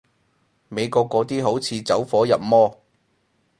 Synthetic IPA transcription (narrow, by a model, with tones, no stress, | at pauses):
me˨˧jkɔː˧kːɔː˨˥t̪iː˥ɦo˨˥wt͡sʰiː˨˧t͡sɐ˨˥wfɔː˨˥jɐ˨p̚mɔː˥